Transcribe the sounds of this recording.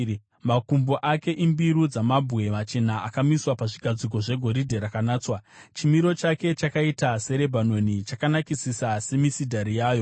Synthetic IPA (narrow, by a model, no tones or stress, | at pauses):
makumboʔake̞ʔimbiɾud͡zamabʱwe̞mat͡ʃe̞naakamiswapaʐiɡʱad͡zik̬o̞ʐe̞ɡʱo̞ɾidʱe̞ɾakanaːt͡swat͡ʃimiɾo̞t͡ʃake̞t͡ʃakaitase̞ɾe̞bʱano̞nit͡ʃakanakisisase̞misidʱaɾijaːjo̞